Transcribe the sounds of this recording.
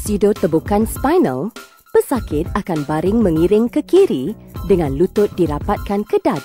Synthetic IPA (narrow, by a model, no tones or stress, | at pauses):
sidot̪əbukanspajnə̰l | pəsakɪt̪̚akanbaɾɪŋmə̃ŋiɾɪŋkəkiɾidəŋãnlut̪ʊt̪̚diɾapat̪̚kankədat̚